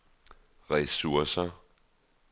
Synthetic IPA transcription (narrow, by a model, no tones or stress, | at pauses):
ʁɛsuɐsɐ